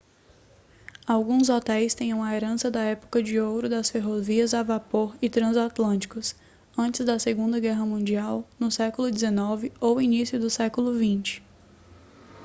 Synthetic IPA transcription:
awɡũzot̪ɛjst̪ẽj̃ɐ̃w̃ɐeɾɐ̃sɐd̪ɐɛpʊ̥kɐd͡ʒɪowɾʊd̪ɐsfeɦoviɐzavapoɾɪt̪ɾɐ̃zat̪lɐ̃nt͡ʃi̥kʊs | ɐ̃nt͡ʃɪzd̪ɐseɡũnd̪ɐɡɛɦɐmũd͡ʒiawnʊsɛkʊlʊd͡ʒɪzenɔvɪowinisjʊd̪ʊsɛkʊlʊvĩt͡ʃɪ̥

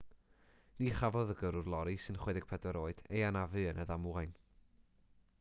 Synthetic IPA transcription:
niχavɔðəɡəɾʊrlˠɔɾisɨnχwɛdɪɡ̚pʰɛdəɾoːɨd̥ejanavɨənʔəðamwajn

